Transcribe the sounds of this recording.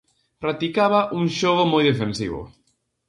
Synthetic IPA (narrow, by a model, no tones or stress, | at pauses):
pɾat̪ikaβaʔuŋʃoɣ̞omɔjðefẽnsḭβʊ̰